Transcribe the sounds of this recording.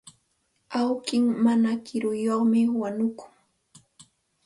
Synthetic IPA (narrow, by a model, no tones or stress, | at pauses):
awkɪŋmanakɪɾʊjoχmɪwanʊkʊ̥ŋ